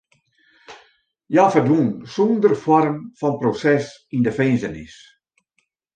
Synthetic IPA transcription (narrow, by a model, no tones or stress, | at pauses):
jaːfərdʋuənsondərfɔrmfɔnprosɛs | indəfenzənɪs